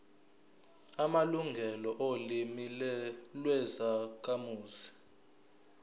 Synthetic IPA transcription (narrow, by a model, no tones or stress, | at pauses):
amaluŋɡʱɛlɔʔolimillwɛzak̬ʰʼamuːzi̥